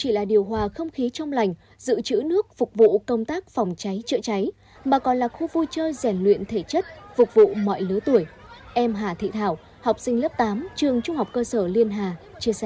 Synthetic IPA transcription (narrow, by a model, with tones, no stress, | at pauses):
t͡ɕi˧˩laː˨˩ɗi˨˩əwɦwaː˨˩xə˧wŋ͡mxi˨˦t͡ɕwŋ͡mla˨˩jŋ̟ | zɨ̰˧˨t͡ɕɨ̰˧˥nɨ˦˥ək̚fʊ˨˩k͡p̚vṵ˧˨kə˧wŋ͡mt̪aː˦˥k̚fwŋ͡mt͡ɕa˨˦jt͡ɕə̰˧˥t͡ɕa˨˦j | maː˨˩kɔ˨˩nlaː˨˩xu˧vu˧jt͡ɕəː˧zɛ˧˩nlwḭ˧˨ənt̪ʰe˧˩t͡ɕə˦˥t̚fʊ˨˩k͡p̚vṵ˧˨mɔ̰˧˨jlɨ˨˦t̪u˧˩əjʔɛ˧mɦaː˨˩t̪ʰḭ˧˨t̪ʰaː˧˩w | hɔ˨˩wk͡p̚sï˧ŋ̟lə˦˥p̚t̪aː˨˦mt͡ɕɨ˨˩əŋt͡ɕʊ˧ŋ͡mha˨˩wk͡p̚kəː˧səː˧˩li˧ənɦaː˨˩ | t͡ɕi˧əsɛ̰˧˩